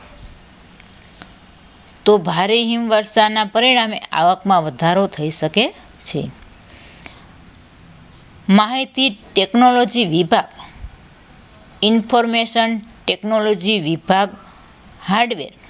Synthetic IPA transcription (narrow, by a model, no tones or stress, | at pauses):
t̪obʱaɾeɦimʋəɾʃanapəɾiɽ̃amea̰ʋəkmãʋəd̪ʱaɾot̪ʰəiʃəke | t͡ʃʰḛ | maɦit̪iʈeknolod͡ʒiʋibʱaɡ | ɪnfʰoɾmeʃənʈeknolod͡ʒiʋibʱaɡ | haɾɖʋḛɾ